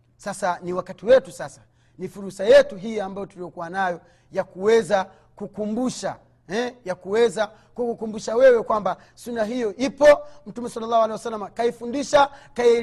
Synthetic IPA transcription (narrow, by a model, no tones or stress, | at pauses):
sasaniwakatiwɛtusasḁ | nifuɾusajɛtuɦijambajɔtulijɔkuwanajɔ | jakuwɛza | kukumbuʃa̰ | ɛjakuwɛza | kukukumbuʃawɛwɛkwamba | sunaɦijɔʔipɔm̩tumɛsalːalːahualeiwasalːamakaifundiʃakai